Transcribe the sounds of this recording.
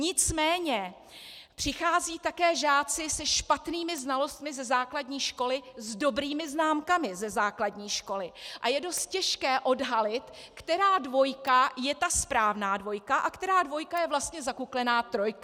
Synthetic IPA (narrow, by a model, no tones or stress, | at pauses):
ɲɪt͡smɛːɲɛ | pr̥ɪxaːziːt̪akɛːʒaːt͡sɪsɛʃpat̪niːmɪznalo̞st̪mɪzɛzaːkladɲiːʃko̞lɪzdo̞bɾiːmɪznaːmkamɪzɛzaːkladɲiːʃko̞lɪʔajɛdo̞st̪̚cɛʃkɛːʔo̞dɦalɪt̪ | kt̪ɛɾaːdvo̞jkajɛt̪aspɾaːvnaːdvo̞jkaʔakt̪ɛɾaːdvo̞jkajɛvlast̪ɲɛzakuklɛnaːt̪ɾo̞jka